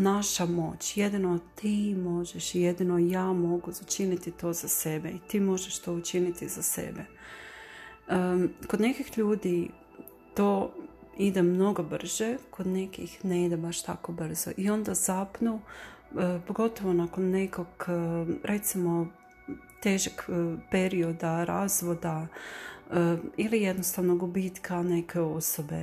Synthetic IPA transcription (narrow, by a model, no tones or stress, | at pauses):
naʃamo̞̰ːt͡ɕjed̪inot̪imo̞ʒeʃjed̪inojaːmo̞ɡuut͡ʃinit̪it̪o̞ːz̥ase̞beit̪iːmo̞ʒeʃt̪o̞ut͡ʃinit̪izase̞̰be | kod̪ne̞kixʎuːd̪i | t̪o̞ːid̪emno̞ɡo̞br̩ʒ̥ekʰo̞d̪ne̞kixneid̪ebaʃt̪a̰ko̞br̩z̥o̰ʔio̞nd̪azapnu | poɡo̞t̪o̞ʋo̞nakonːe̞koɡɾʔe̞t̪simo̞ | t̪e̞ːʒakpe̞ɾio̞d̪aɾa̰ːzʋo̞d̪a | ilije̞d̪nost̪aʋnoɡubiːt̪kane̞kʰe̞o̞sobe̞